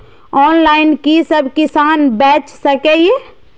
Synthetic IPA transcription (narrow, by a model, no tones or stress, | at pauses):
ɔːnlaːɪnkisəbʱkɪsaːnbɛːt͡ʃsəkɛje